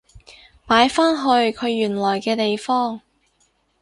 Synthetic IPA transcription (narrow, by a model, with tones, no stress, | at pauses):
paː˨˥jfaː˥nɦɵ˧ɥkʰɵ˨˧ɥːyː˨˩nlɔː˨˩jkɛː˧t̪e˨jfɔː˥ŋ